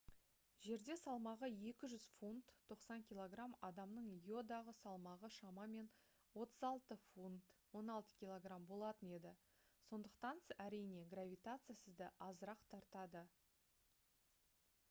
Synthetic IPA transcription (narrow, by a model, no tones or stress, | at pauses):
ʒe̞ɾd̪e̞sɑlˠmɑʁəje̞kʲɪʒʏzfunt̪ʰːo̞qsɑŋkʲijlˠo̞ɡramɑd̪ɑmnəɴjo̞d̪ɑʁəsɑlˠmɑʁəʃɑmɑme̞n | wo̞t̪əzɑlˠt̪əfunt̪wo̞nɑlˠt̪ə̥kʲijlˠo̞ɡrambo̞lˠɑt̪əne̞d̪ɪ | so̞nd̪əqt̪ɑnæɾijne̞ɡravʲijt̪at̪sɨjasəzd̪əʔɑzəɾɑqt̪ʰɑɾt̪ɑd̪ə